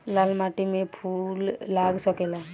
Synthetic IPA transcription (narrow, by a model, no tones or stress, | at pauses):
laːlmaːʈimẽpʰulːaɡsɔkela